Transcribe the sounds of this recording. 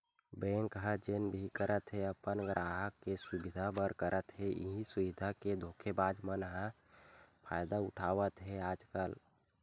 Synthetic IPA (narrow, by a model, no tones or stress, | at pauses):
bẽːŋkɦə̃d͡ʒenbʱikəɾʔət̪ɦeəpənɡɾʔaːɦəkːeswʊbɪd̪ʱabəɾkəɾʔət̪ɦeʔḭɦĩsʊʋɪd̪ʱaked̪ʱoːkʰebaːd͡ʒmənɦə̃ | pʰaːjd̪aʊʈʰaːʋət̪ɦeaːd͡ʒkəl